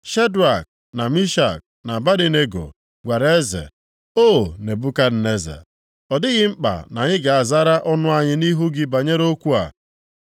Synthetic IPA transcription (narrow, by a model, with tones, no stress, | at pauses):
ʃe˦du˨a˨k̚ | na˨mi˦ʃa̰˨k̚ | na˨ba˦ɾi˦ne˦ɡo̰˨ | ɡʷa˨ɾe˦zḛ˨ | o˦˨ne˨bu˦ka˦n̩˨ne˦zḛ˨ | ɔ˨dɪ˦ɣɪ˦ŋ͡m̩˦k͡pa̰˨na˨ɲɪ˦ɡa˨a˨za˦ɾa˦ʔɔ˦nʊ˦a˨ɲɪ˦ni˦ɦu˦ɡɪ˦ba˨ɲe˦ɾo˦kʷu˦a̰˨